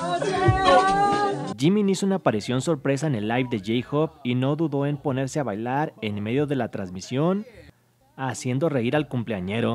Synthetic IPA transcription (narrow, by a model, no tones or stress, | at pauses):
ɟ͡ʝimĩniso̞unaːpaɾisjo̞nso̞ɾpɾe̞s̬aene̞lːajfd̪e̞ʝejxoβino̞ðuðo̞e̞mpo̞ne̞ɾse̞aβajlaɾe̞nme̞ðjo̞ðe̞lat̪ɾanzmisjo̞n | asje̞nd̪o̞re̞iɾalkumple̞aɲe̞ɾo̞